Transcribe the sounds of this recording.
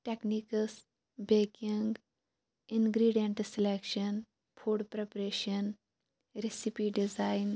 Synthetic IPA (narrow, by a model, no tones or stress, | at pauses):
ʈeknikəs | beːkiŋɡ | inɡɾiɖieɳʈselekʃən | pʰuːɖpɾepɾeːʃən | ɾesipiɖizajn